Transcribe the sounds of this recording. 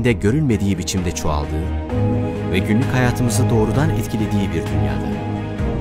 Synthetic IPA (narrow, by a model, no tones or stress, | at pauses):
nd̪ɛɟø̞ɾylʲme̞d̪iːibit͡ʃʰimd̪ɛt͡ʃʰoa̰lˠd̪ɯː | vɛɟynlʲychajaːt̪ʰɯmɯzɯd̪o̞ːɾud̪anɛt̪cʰilʲe̞d̪iːibiɾd̪ynja̰ːd̪a